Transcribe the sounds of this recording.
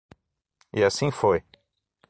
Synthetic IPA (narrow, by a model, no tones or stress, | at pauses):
iasĩfoj